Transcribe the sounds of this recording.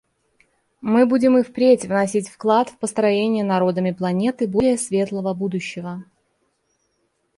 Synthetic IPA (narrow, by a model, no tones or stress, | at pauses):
mɨbudʲɪmɨfpɾʲetʲvnɐsʲitʲfklˠat̪fpəst̪ɾɐjenʲɪjənɐɾo̞d̪əmʲɪplˠɐnʲe̞t̪ɨbolʲɪjəsvʲe̞t̪lˠəvəbud̪ʊɕːɪvə